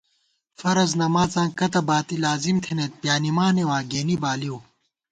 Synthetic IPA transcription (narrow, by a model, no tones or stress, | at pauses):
fɐɾɐznɐmaːt͡sãːkɐt̪ɐbaːt̪ilaːzimt̪ʰenet̪̚pjaːnimaːnewãːɡeːnibaːliw